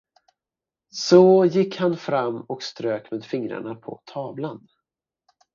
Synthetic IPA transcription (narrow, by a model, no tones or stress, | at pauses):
sɔjɪkːhanfɾamːɔkst̪ɾøːkmeːd̪fɪŋɾa̰ɳapʰɔ̰t̪ʰɑːvlan